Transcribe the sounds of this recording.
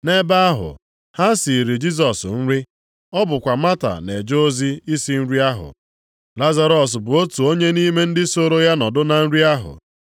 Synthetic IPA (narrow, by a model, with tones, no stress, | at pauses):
ne˦ba˦a˦ɦʊ̰˨ | ha˦si˨ɾi˨d͡ʒi˦s̬ɔ˨sn̩˦ɾi˦ | ɔ˦bʊ˨kʷa˨ma˦ta̰˨ne˨d͡ʒo˦o˦zi˦i˦si˦n̩˦ɾi˦a˦ɦʊ̰˨ | la˦za˦ɾɔ˨s̬bʊ˨o˦tu˨o˦ɲe˦ni˦me˦n̩˦dɪ˦so˦ɾo˦ja˦nɔ˨dʊ˦na˨n̩˦ɾi˦a˦ɦʊ̰˨